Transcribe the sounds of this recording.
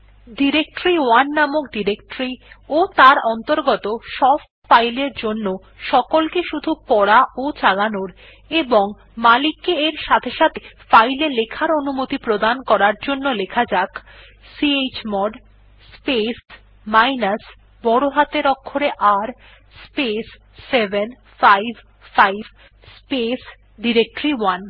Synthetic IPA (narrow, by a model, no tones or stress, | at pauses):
ɖiɾek̚ʈɾiwanːamokɖiɾekʈɾiot̪aɾɔnt̪oɾɡɔt̪oʃɔb | fajleɾd͡ʑonːo | ʃɔkolkeʃud̪ʱupɔɽaot͡ɕalanoɾ | eboŋ | malikːeeɾʃat̪ʰeʃat̪ʰefajlelekʰaɾonumot̪ipɾod̪ankɔɾaɾd͡ʑonːolekʰad͡ʑak | siet͡ɕmɔɖ | spes | majnas | bɔɽoɦat̪eɾɔkʰːoɾeʔaɾ | spesː | eben | fajbʱ | fajb | spes | ɖiɾek̚ʈoɾiwan